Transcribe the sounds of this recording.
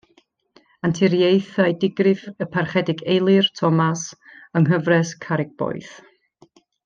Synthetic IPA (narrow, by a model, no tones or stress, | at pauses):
antʰɪɾjejθajdɪɡrɨvəpʰarχɛdɪɡejlˠɨrtʰɔmasəŋɦəvrɛskʰaɾɪɡ̚b̥ɔ̰ɨθ